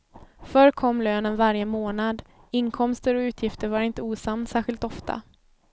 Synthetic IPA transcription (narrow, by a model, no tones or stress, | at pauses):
fœɾkʰɔmːløːnənvaɾjəmoːnad̪ | ɪnkʰɔmst̪əɾɔʉ̟ːt̪ʰjɪft̪əɾvaɾɪnt̪əuːsamnsæːɾɧɪlt̪ɔft̪ʰa̰